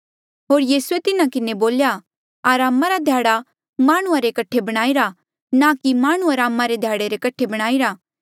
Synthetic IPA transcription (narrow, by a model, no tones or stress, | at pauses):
ɦoːɾjiːsuet̪ɪnakɪneboːlja | aːɾaːmaɾad̪ʱjaːɽa | maːɽ̃ʊ̃aɾekɐʈʰːebɐɽ̃aːiɾa | nakimaːɽ̃ʊ̃aɾaːmːaɾed̪ʱjaːɽeɾekɐʈʰebɐɽ̃aːiɾaː